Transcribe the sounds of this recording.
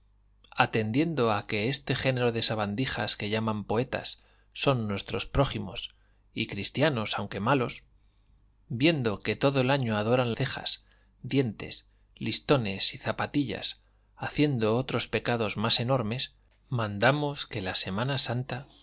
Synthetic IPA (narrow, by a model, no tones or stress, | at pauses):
at̪e̞nd̪je̞nd̪o̞ake̞e̞st̪e̞χe̞ne̞ɾo̞ðe̞saβand̪ixa̰ske̞ʝamãmpo̞e̞t̪a̰sː | o̞nːwe̞st̪ɾo̞spɾo̞ximo̞̰s | ikɾist̪jano̞sawŋke̞malo̞s | bje̞nd̪o̞ke̞t̪o̞ðoe̞laɲo̞aðo̞ɾanlθe̞xa̰s | d̪je̞nt̪e̞̰s | list̪o̞ne̞siθapat̪iʎa̰s | aθje̞nd̪o̞ot̪ɾo̞spe̞kað̞o̞zmase̞no̞ɾme̞s | mãnd̪amo̞ske̞lase̞manasant̪a